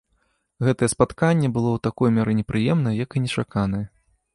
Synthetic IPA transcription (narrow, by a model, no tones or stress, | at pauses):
ɣɛt̪ɐjɛspat̪kanʲːɛbɨlˠɔwt̪akɔjmʲaɾɨnʲɛpɾʔɨjɛmnɐjɛjɐkinʲɛt͡ʂakanɐjɛ